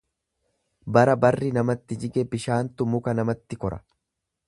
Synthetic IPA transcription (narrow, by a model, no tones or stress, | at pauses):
bɐɾɐbɐrːɪnɐmɐt̪ːɪd͡ʒɪɡɛbɪʃaːnt̪ʊmʊkɐnɐmɐt̪ːɪkɔɾɐ̥̰